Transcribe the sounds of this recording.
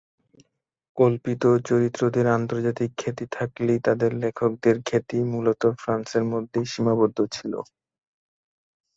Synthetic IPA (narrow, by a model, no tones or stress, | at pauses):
kolpit̪ot͡ɕoɾit̪ːɾod̪eɾant̪oɾd͡ʑat̪ikʰːet̪it̪ʰaklet̪ad̪eɾlekʰok̚d̪eɾkʰet̪imulot̪ofɾanseɾmod̪ʱːeʃimabod̪ʱːot͡ɕʰilo̰